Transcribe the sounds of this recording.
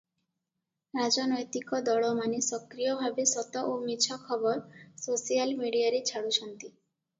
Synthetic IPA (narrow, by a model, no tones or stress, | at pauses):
ɾad͡ʒɔnɔjt̪ikɔd̪ɔɭɔmanesɔkɾijɔbʱabesɔt̪ɔʔomit͡ʃʰɔkʰɔbɔɾsosijalmiɽiaɾet͡ʃʰaɽuʃɔnt̪i